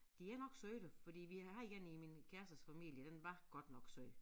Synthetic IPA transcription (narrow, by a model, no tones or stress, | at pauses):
d̥iæɐnɒ̽ɡ̥søɪɾ̥əfɒ̽d̥ḭːʋihɑ̈iɡ̥eniminkʰæɐsɐsfæmḭl̰jəd̥enʋɑ̈ɡ̥ɒ̽d̥nɒ̽ɡ̥sø